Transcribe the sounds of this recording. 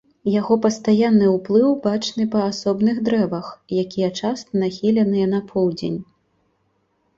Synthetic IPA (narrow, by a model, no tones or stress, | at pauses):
jaɣɔpɐst̪ajanːɨwplˠɨwbat͡ʂnɨpɐːsɔbnɨɣd̪ɾɛvɐxjakʲijɛt͡ʂast̪ɐnaxʲilʲɛnɨjɛnɐpʰɔwd͡zʲḛnʲ